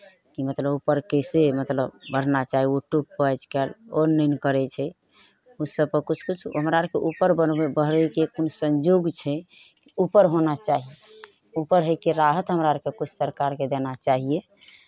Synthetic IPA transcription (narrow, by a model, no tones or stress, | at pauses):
kimət̪ləbupəɾkəɪsemət̪ləbbəɽ̤nat͡ʃaɦioʈubpət͡ʃkɛlonːəɪnkəɾɛt͡ʃʰɛ | usəbpəɾkut͡ʃʰkut͡ʃʰɦəmɾaɾkeʔupəɾbənbebəɦɾəkekonsə̃nd͡ʒoɡt͡ʃʰɛ | kiupəɾɦonat͡ʃaɦie | upəɾɦəjkeɾaɦət̪ɦəmɾaəɾkekut͡ʃʰsəɾkaɾked̪enat͡ʃaɦije